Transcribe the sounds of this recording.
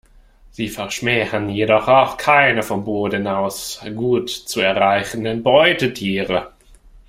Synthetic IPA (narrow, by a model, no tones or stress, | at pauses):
z̥iːfɛɐʃmɛːʁənjedɔχaʊxkʰaɪnəfɔmboːdnaʊsɡuːtt͡suɛɐʁaɪçən̩dənbɔʏtətʰiːʁə